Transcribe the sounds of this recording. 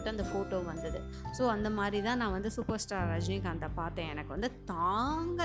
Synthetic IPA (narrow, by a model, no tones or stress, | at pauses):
ʈːɯ̃ɐnd̪ɐfoːʈoːʋɐnd̪ɐðɯ | soːɐnd̪ɐmaːd̪ɾit̪ãːnãːʋɐnd̪ɯsʊpɐɾsʈaːɾɐd͡ʒnɪkːɐnd̪ɐpaːɾt̪ẽːɛnɐkːɯʋɐnd̪ɯt̪aːŋɡɐ